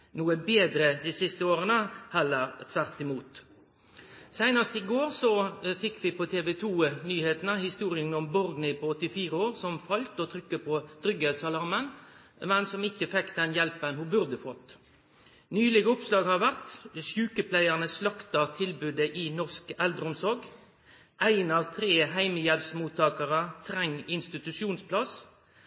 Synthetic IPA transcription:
nuːəbeːd̪ɾəd̪iːsɪst̪əoːʁənəhɛlːəʁt̪ʰʋæʁt̪ɪmuːt̪ | sæɪnɑst̪ɪɡoːʁsɔfɪkːʋɪpʰɔt̪ʰeːʋɛt̪ʰuːnyːheːt̪nəhɪst̪uːʁɪənɔmbɔʁɡ̪nɪpʰɔɔt̪ːɪfiːʁəoːʁsɔmfɑlt̪ɔt̪ʰɾʏkːəpʰɔd̪̥ɾʏɡɛlsɑlɑʁmənmɛnsɔmɪçːəfɛkːd̪ɛnjɛlpənhubʉʁd̪əfɔt̪ː | nyːlɪɡəʊpslɑːɡhɑʁʋæʁt̪ʃʉːkəpʰlæɪəʁnəslɑkt̪ɑt̪ʰɪlbʉd̪əʔiːnɔʁskɛld̪əʁʊmsɔɾɡ | æɪnɑːʋt̪ʰʁeːɦæɪməjɛlpsmuːt̪ʰːɑːkəʁət̪ʰʁɛŋːɪnst̪ɪt̪ʉʃuːnspʰlɑs

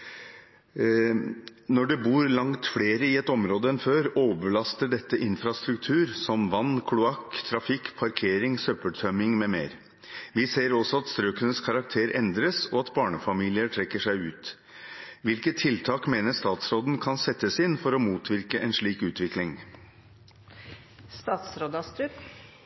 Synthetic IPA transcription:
nɔɖɛbuːɾlɑŋt̪fleːɾəɪɛt̪ɔmɾoːd̪əɛnføːɾoːʋəɭɑst̪əɖɛt̪ːəʔɪnfɾɑst̪ɾʉkt̪ʰʉːɾsɔmʋɑnːkʰlʊɑkt̪ʰɾɑfɪkːpʰɑɾkʰeːɾɪŋsœpəlʈ̪ʰœmɪŋmɛmeːɾ | ʋɪseːɾɔsɔɑt̪st̪ɾøːkənəskʰɑɾɑk̚t̪ʰeːɾɛnd̪ɾəsɔɑt̪bɑːɳəfɑmiːlɪəʈʰɾɛkːəʂæɪʉːt̪ | ʋɪlkət̪ʰːɪlt̪ʰɑːkmeːnəʂt̪ɑːt̪sɾoːd̪n̩kʰɑnsɛt̪ːəsɪnfɔɾɔmuːt̪ʰʋɪɾkəʔɛnʂɭiːkʉːt̪ʋɪklɪŋ | st̪ɑːt̪sɾoːd̪ɑst̪ɾʉ

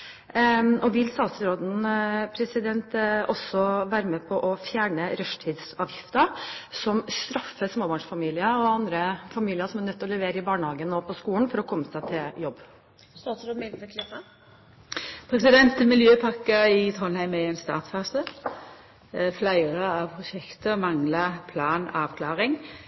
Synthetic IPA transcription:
ʔɔʋɪlst̪ɑːt̪sɾoːd̪n̩pʰɾɛsɪd̪ɛnt̪ɔsːɔʋæːɾəmeːpʰɔʔɔfjæːɳəɾœʂʈ̪ʰiːd̪sɑːʋjɪft̪əsɔmst̪ɾɑfːəsmoːbɑɳʂfɑmiːlɪəɔɑnd̪ɾəfɑmiːlɪəsɔmænœt̪ːɔlɛʋeːɾəɪbɑːɳəhɑːɡənːoːpʰɔskuːlənfɔɾɔkʰɔmːəsæɪt̪ʰɪljɔbː | sɑɔmed̪ʋɪklɪsɑ | pʰɾɛsɪd̪ɛnt̪mɪljøːpʰɑkːəɪt̪ʰɔnhæɪmɛɛɪnst̪ɑ̰ːt̪fɑːsə | flæɪʁəɑʋpʰʁʊʃɛkt̪əmɑŋləpʰlɑːnɑːʋkʰlɑːʁɪŋ

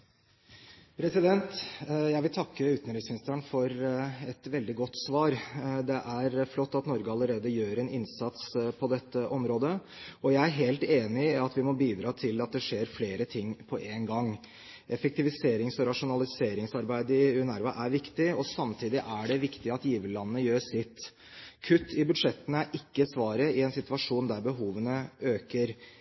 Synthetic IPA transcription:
pʰɾɛsɪd̪ɛnt̪jæɪʋɪlt̪ʰɑkːəʉːt̪nɾɪsmɪnɪst̪æɳfɔɾɛt̪ʋɛld̪ɪɡɔt̪ːsʋɑːɾd̪ɛʔæɾflɔt̪ːɑt̪nɔɾɡəɑlːəɾeːd̪əjøːɾɛnɪnsɑt̪spʰɔd̪ɛt̪ːəʔɔmɾoːd̪ə | ɔjæɪæɾɦeːlt̪eːnɪɑt̪ʋɪmɔbiːd̪ɾɑːt̪ʰɪlɑt̪̚d̪ɛʂeːɾfleːɾət̪ʰɪŋːpʰɔʔeːnɡɑŋː | ʔɛfək̚t̪ɪʋɪseːɾɪŋsɔɾɑʂʊnɑlɪseːɾɪŋsɑɾbæɪd̪ɪʉɛnæɾʋɑʔæɾʋɪkt̪ɪɔsɑmt̪ʰiːd̪ɪʔæɖɛʋɪkt̪ɪɑt̪jiːʋəllɑnːənəjøːsɪt̪ː | kʰʉt̪ːɪbʉd̪ʂɛt̪ːənəæɾʔɪkːəsʋɑːɾəɪɛnsɪt̪ʋɑʂuːnd̪æɾbəɦuːʋənəøːkəɾ

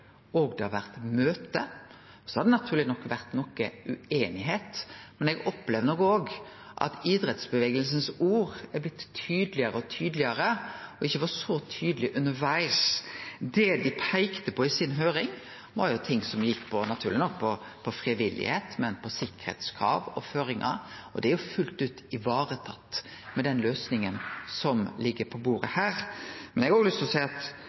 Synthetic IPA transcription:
ɔɡd̪ɛhɑʋæʁt̪møːt̪ə | sɔhɑd̪ɛnɑt̪ʰʉːɾlɪnɔkːʋæʁt̪nɔkːəʉeːnɪɦeːt̪mɛnɛɡɔpːlɛʋd̪nɔkoːɡ | ʔɑ̰t̪ɪd̪ɾɛt̪sbəʋeːɡəlsənsuːʁæblɪt̪ʰːyːd̪lɪəɾəɔt̪ʰyːd̪lɪəɾəɔɪçːəʋɑsɔt̪ʰyːd̪lɪʔʉnːəɾʋæɪsd̪ɛd̪ɪpʰæɪkt̪əpʰɔɪsɪnɦøːɾɪŋ | ʋɑɾjʊt̪ʰɪŋːsɔmjɪkːpʰɔnɑt̪ʰʉːɾlɪnɔkːpʰɔ | pʰɔfɾɪʋɪlːɪ̰heːt̪mɛnpʰɔsɪkːə̥ɾhḛːt̪skʰɾɑ̰ːʋɔ̰føːɾɪŋʔɑ̰ɔd̪ɛæɾjʊfʉlt̪ʉːt̪ɪʋɑːɾət̪ʰɑt̪ː | mɛd̪ɛnløːsnɪŋənsɔmlɪɡːəɾpʰɔbuːɾəhæːɾmɛnɛɡɔɡəlʏst̪ʰɔsæɪɑt̪

